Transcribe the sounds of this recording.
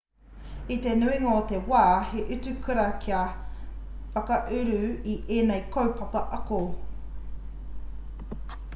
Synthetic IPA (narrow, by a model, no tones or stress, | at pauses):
it̪enʉiŋaotewaːheʔʉt͡sʉkʰʉɾɐkʰia | fɐkɐʔʉɾʉiʔeːnejkʰowpʰɐpɐʔɐko